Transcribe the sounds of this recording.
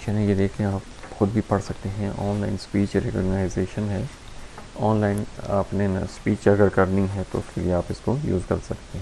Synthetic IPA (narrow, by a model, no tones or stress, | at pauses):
ʃɛnẽjed̪eːkʰẽaːpxʊd̪̚bʱipɐɽsɐk̚t̪eɦɛ̃ʔɔːnla̰ɪnspiːt͡ʃɾekɔ̰ːɡnaːɪzeːʃənɦɛː | ɔːnlaːɪna̰ːpnespiːt͡ʃɐɡəɾkɐɾnĩɦɛt̪o̰ʊskelieaːpɪskojṵːzkɐ̰ɾsɐkt̪eɦɛ̃ː